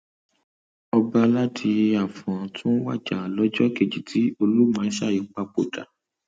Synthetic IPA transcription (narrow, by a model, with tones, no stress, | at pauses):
ɔ˧ba˧la˦tʰi˧je˧a˨fɔ̃˨tʰũ˦wa̰˦˨d͡ʒa˨lɔ˦d͡ʒɔ˦ke˨d͡ʒi˨tʰi˨˦o˧lu˦mã˨˦ʃa˦˨ji˨˦k͡pa˧k͡po˨ta˨